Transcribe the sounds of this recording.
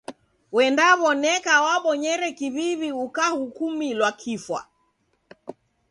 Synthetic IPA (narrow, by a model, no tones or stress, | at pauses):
wɛndaβɔnɛkawaɓɔɲɛɾɛkiβiβiukahukumilwakʰifwa̰